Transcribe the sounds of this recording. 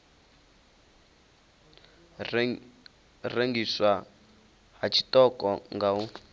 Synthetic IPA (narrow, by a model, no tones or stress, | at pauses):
reŋɡiswa | hat͡ʃʰi̥tʼɔkʼɔŋɡau